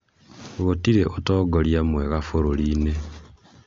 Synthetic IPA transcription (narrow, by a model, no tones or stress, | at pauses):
ɣotiɾeʔotɔːɡoɾjamweɣafoɾoɾiːne